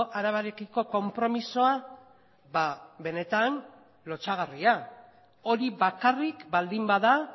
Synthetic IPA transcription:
ʔaɾaβaɾe̞kiko̞ko̞mpɾo̞misoa | βaβe̞ne̞t̪an | lo̞t͡saɣ̞aria | o̞ɾiβakarikbald̪imbaða

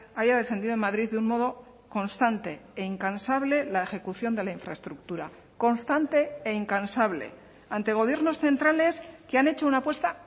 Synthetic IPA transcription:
aʝað̞e̞fe̞nd̪iðomaðɾiððeunmo̞ð̞o̞ | ko̞nst̪ant̪e̞eiŋkansaβle̞lae̞xe̞kuθjo̞nd̪e̞laiɱfɾa̰est̪ɾuk̚t̪uɾa | ko̞nst̪ant̪e̞ːiŋkansaβle̞̰ | ant̪e̞ɣ̞o̞β̞je̞ɾno̞sθe̞nt̪ɾale̞skeane̞t͡ʃo̞unapwe̞st̪a

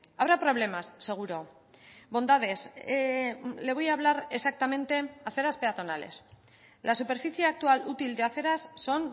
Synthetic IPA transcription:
aβɾapɾo̞β̞le̞masːe̞ɣ̞uɾo̞ | bo̞nd̪aðe̞s | le̞βo̞jaːβ̞laɾesak̚t̪amẽ̞nt̪e̞aθe̞ɾaspe̞at̪o̞nale̞̰s | lʔasupe̞ɾfiθjeak̚t̪ualut̪ild̪e̞aθe̞ɾasːo̞n

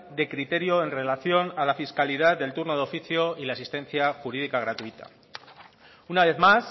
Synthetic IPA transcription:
d̪e̞kɾit̪e̞ɾjo̞e̞nre̞laθjo̞nalafiskaliðaððe̞lt̪uɾno̞ðo̞fiθjo̞ilaːsist̪ẽ̞n̟θjaxuɾiðikaɣ̞ɾat̪uit̪a̰ | unaβ̞e̞θmas

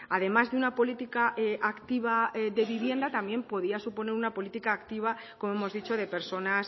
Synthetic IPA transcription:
aðe̞mazðe̞unapo̞lit̪ikaʔʔakt̪iβ̞aðe̞βiβje̞nd̪at̪amje̞mpo̞ð̞iasupo̞ne̞ɾunapo̞lit̪ikaːkt̪iβ̞a | ko̞moe̞mo̞zðit͡ʃo̞ðe̞pe̞ɾso̞nas

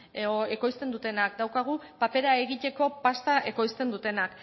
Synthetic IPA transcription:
eko̞jst̪e̞nd̪ut̪e̞nakd̪awkaɣ̞upape̞ɾae̞ɣit̪e̞ko̞past̪aʔe̞ko̞jst̪e̞nd̪ut̪e̞nak

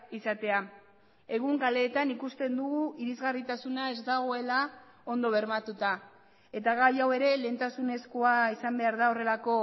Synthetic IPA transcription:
isat̪e̞a | e̞ɣ̞uŋkale̞ːt̪anikust̪e̞nd̪uɣuʔiɾizɣarit̪asunae̞zd̪aɣ̞o̞e̞la | o̞nd̪o̞β̞e̞ɾmat̪ut̪a | e̞t̪aɣajawe̞ɾe̞le̞nt̪asune̞skoaisambe̞aɾðao̞re̞lako̞

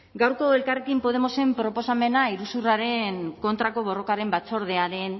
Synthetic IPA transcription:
ɡawɾko̞e̞lkarekimpo̞ð̞e̞mo̞se̞mpɾo̞po̞same̞naiɾusuraɾe̞ŋko̞nt̪ɾako̞β̞o̞ro̞kaɾe̞mbat͡so̞ɾð̞e̞aɾe̞n

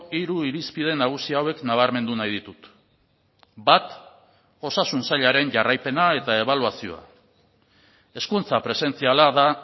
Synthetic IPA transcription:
iɾuiɾispiðe̞naɣ̞usiaːwe̞knaβ̞aɾme̞nd̪unajðit̪ut̪ | bat̪ | o̞sasunsaʎaɾe̞nʝarajpe̞nae̞t̪ae̞βaluasio̞̰a̰ | e̞skunt͡sapɾe̞se̞nt͡sialaða

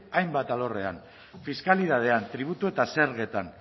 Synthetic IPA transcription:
ajmbat̪alo̞re̞an | fiskaliðað̞e̞ant̪ɾiβ̞ut̪ue̞t̪ase̞ɾɣe̞t̪an

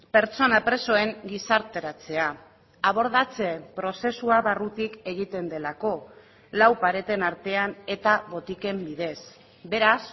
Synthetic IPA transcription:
pe̞ɾt͡so̞napɾe̞so̞e̞ŋɡisaɾt̪e̞ɾat͡se̞a | aβ̞o̞ɾð̞at͡se̞pɾo̞se̞suaβarut̪ike̞ɣ̞it̪e̞nd̪e̞lako̞ | lawpaɾe̞t̪e̞naɾt̪e̞ane̞t̪aβo̞t̪ike̞mbið̞e̞s | be̞ɾas

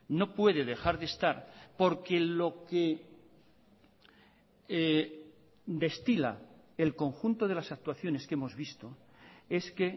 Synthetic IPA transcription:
no̞pwe̞ðe̞ðe̞xaɾðe̞st̪aɾpo̞ɾke̞lo̞ke | d̪e̞st̪ila̰ | elko̞ŋxunt̪o̞ðe̞lasak̚t̪waθjo̞ne̞ske̞mo̞zβist̪o̞ | e̞ske̞

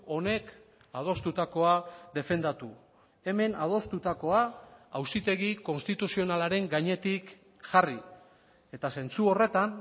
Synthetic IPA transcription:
o̞ne̞k | að̞o̞st̪ut̪ako̞aðe̞fe̞nd̪at̪u | e̞me̞nað̞o̞st̪ut̪ako̞aawsit̪e̞ɣiko̞nst̪it̪usio̞nalaɾe̞ŋɡaɲe̞t̪ik | ʝari | e̞t̪ase̞nt͡suo̞re̞t̪an

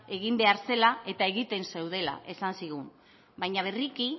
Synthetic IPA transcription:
e̞ɣimbe̞aɾse̞lae̞t̪ae̞ɣit̪e̞nse̞wð̞e̞la̰ʔe̞sansiɣum | bajɲaβ̞e̞riki

